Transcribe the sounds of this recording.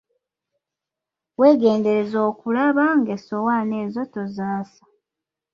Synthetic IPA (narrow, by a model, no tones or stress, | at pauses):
we̞ːɡe̞ːnde̞ɾe̞zoːkulaβaŋɡeso̞wane̞ːzo̞to̞zaːsḁ